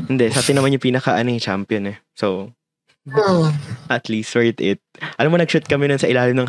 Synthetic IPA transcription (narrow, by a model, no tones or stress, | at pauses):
hɪnd̪ɛʔsaːt̪ɪnɐmanɲopiːnɐkɐʔɐnoɛt͡ʃampjonɛ | so | ʔɐt̪list̪fɛɹt̪ɪt̪̚ʔɐlamonɐɡ̚ʃut̪̚kɐmɛnonsɐʔɪlaːlɪmnɐŋ